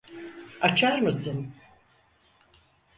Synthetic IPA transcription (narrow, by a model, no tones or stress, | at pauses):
at͡ʃʰaɾmasɯn